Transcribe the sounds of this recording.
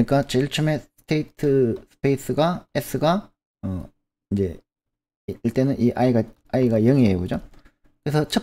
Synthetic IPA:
ik͈at͡ɕeiɭt͡ɕʰɯme̞sɯ̥tʰeitʰɯsʰɯ̥pʰeis͈ʰɯɡaes͈ʰɯɡa | ʌ | ind͡ʑe̞̰ | iɭt͈e̞nɯnʔiʔaiɡa | aiɡajʌŋieɡud͡ʑo | kɯɾe̞sʰʌt͡ɕʰʌ

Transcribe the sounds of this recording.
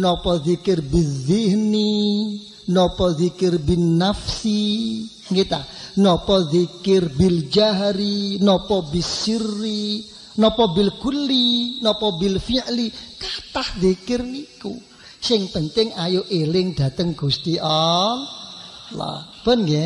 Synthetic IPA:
nɔpɔðikɪrbiðɪɦni | nɔpɔðikɪrbinafsi | ŋɡit̪anɔpɔðikɪrbild͡ʒaɦɾinɔpɔbisiri | nɔpɔbilɡ̥ulinɔpɔbilfiaʔlikat̪ahðikɪrikṵ | sɪŋpənt̪ɪŋajoʔelɪŋd̥ä̤t̪əŋɡ̥ust̪iʔɔ | la̰b̥ənɡe

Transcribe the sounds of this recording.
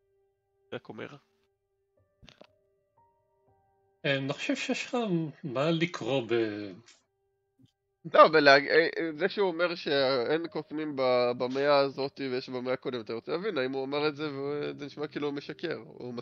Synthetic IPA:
eakomḛʁa | eniχo̥ʃev̥ʃejʃχamalikʰʁo̞be | lobeleaɡzeʃeuome̞ʁʃe̞enkotnimbabame̞aːzo̞t̪ivejeʃbameakod̪emat̪aʁot͡selavinaimuamaʁetze̞vezeniʃmakiiːlume̞ʃake̞ʁṵma

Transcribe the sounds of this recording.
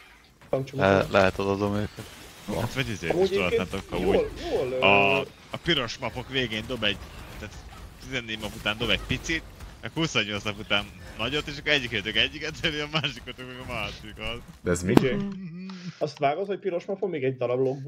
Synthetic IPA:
ɒŋt͡ʃoɛlɛɦɛt̪ɒd̪od̪omøːkɛt̪ot̪vɒɟizḛːuiʃoɒt̪ant̪okkːɒuːlvolɒː | piɾo̞ʃmɒpo̞kveːɡeːnd̪o̞bɛɟt̪aːt̪t̪izɛnːeːɟmɒput̪aːnd̪o̞bɛɟ̚pit̪sit̪ɛkhusoɲːo̞lt͡ssnɒput̪aːnːɒɟo̞t̪ːeːʃɒkːɛɟːikøt̪økɛɟːikɛt̪ɛliɒmaːʃikot̪okmɛɡɒmaːʃikɒzd̪ɛɛzmie | ɒst̪ʋaːɡozhoc̚piɾoʃmɒpomeːɡɛɟ̚d̪ɒɾɒbloɡ̚b

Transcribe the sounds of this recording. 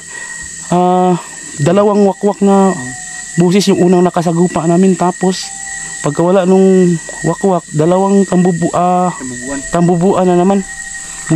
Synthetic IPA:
ʔa | d̪ɐlawaŋwakwak̚na | boːs̬ɪsjʊŋʔuːnaŋnɐkas̬aɡuːpaʔnaːmɪnt̪aːpos | pɐɡ̚kɐwalaʔnʊŋ | wakwak̚d̪ɐlawaŋt̪ambʊbuʔa | t̪ambʊbuʔananɐman

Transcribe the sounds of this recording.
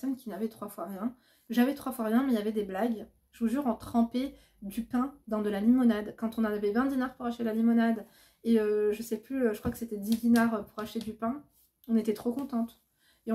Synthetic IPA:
sɔnkʲinavɛt̪χwafwaʁjɛ̃ | ʒavɛt̪χwafwaʁjɛ̃mɛijavɛd̪eblaɡ | ʒəvuʒyʁɑ̃t̪χɑ̃pe | d̪ypɛ̃d̪ɑ̃d̪əlalimɔnad̪kɑ̃t̪ɔ̃navɛvɛ̃d̪inaʁpuʁaʃt̪ed̪əlalimɔnad̪ | eøʒəsɛplyøʒəkχwakə̥set̪ɛd̪id̪inaʁøpuʁaʃt̪ed̪ypɛ̃ | ɔ̃net̪ɛt̪χokɔ̃t̪ɑ̃t̪ | eɔ̃

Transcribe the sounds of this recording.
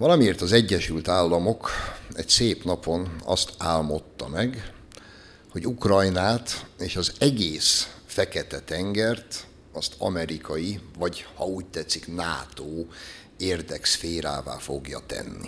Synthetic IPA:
ʋɒlɒmieːrt̪ɒzɛɟːɛʃylt̪aːlːɒmo̞kɛcseːpn̪ɒpʰo̞nɒ̰st̪aːlmo̞t̪ːɒmɛɡ | ho̞ɟukrɒjnaːt̪eːʃɒzɛɡeːsfɛkɛt̪ɛt̪ɛŋɡɛrt̪ | ɒst̪ɒ̰mɛɾikɒjivɒɟhɒuːc̚t̪ɛt̪sːiknaːt̪oː | eːrd̪ɛksfeːɾa̰ːva̰ːfo̞ɡjɒ̰t̪ɛ̰nːḭ

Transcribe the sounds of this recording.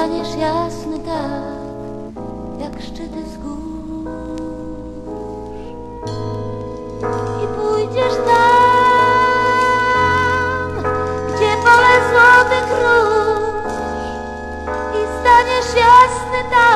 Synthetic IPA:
aɲɛʂjasnɘt̪a | kk | jakʂt͡ʂɘt̪ɘzɡu | ipujd͡ʑɛʂt̪a | mɡd͡ʑɛbɔlɛzwɔt̪ɘkɾul | ist̪aɲɛʂjasnɘt̪a

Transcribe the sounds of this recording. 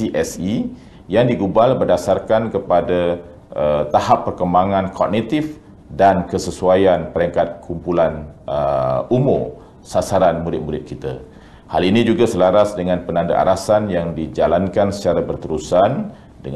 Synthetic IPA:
iʔɛsi | jaŋdiɡubalbərdasarkankəpada | ət̪ahapːərkəmbaŋãnkʰɔk̚nit̪if | dankəsəsuajanpəɾəŋkat̪̚kʰumpulanəumʊ | sasaɾanmuɾɪt̪̚muɾɪt̪̚kit̪a̰ | ha̰linĩd͡ʒuɡasəlaɾasdəŋãnpənanda̰ʔa̰ɾasanjaŋdid͡ʒalankansə̥t͡ʃaɾabərt̪əɾusan | dəŋ

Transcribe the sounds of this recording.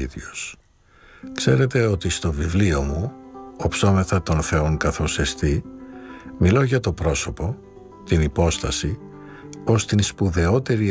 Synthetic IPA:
iðos | kse̞ɾe̞t̪e̞o̞t̪ist̪o̞vivlio̞muopso̞meθɐt̪o̞nθe̞oŋkɐθo̞se̞st̪i | milo̞ʝɐt̪o̞pɾo̞so̞po̞ | t̪inipo̞st̪ɐsi | o̞st̪inspuðe̞o̞t̪e̞ɾi

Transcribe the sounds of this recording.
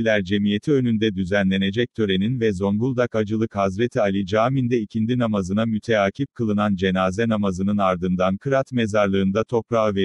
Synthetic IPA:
lʲæɾd͡ʒe̞mije̞t̪ʰiønynd̪ɛd̪yzænlʲe̞ne̞d͡ʒɛc̚t̪ʰø̞ɾe̞ninvɛzo̞nbulˠd̪akad͡ʒɯlˠɯkhazɾet̪ʰialʲid͡ʒaːmind̪ɛicʰind̪inamazɯnamyt̪ʰeaːcʰip̚kʰɯlˠɯnand͡ʒe̞naːzɛnamazɯnɯnaɾd̪ɯnd̪ankʰɯɾat̪me̞zaɾlˠɯːnd̪at̪ʰo̞pɾave

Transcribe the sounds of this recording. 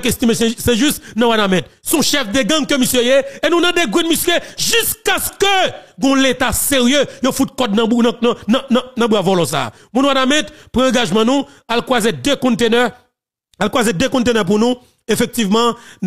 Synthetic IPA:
kest̪imessɛʒyst̪nãwanamɛ̃t̪̚sɔ̃ʃɛfd̪eɡãŋkømisjøjeenũnɐ̃d̪eɡwinmisjeʒyskaskøɡɔ̃let̪aseʁjøjofut̪̚kɔd̪̚ñññnãbwavɔlɔ̃sa̰ː | mũnwanamɛ̃t̪pɣãɑ̃ɡaʒmãnũ | alkwazed̪økɔ̃t̪enɛ | alkwazed̪økɔ̃t̪̬enœp̬unũ | efɛk̚t̪ivmɑ̃n

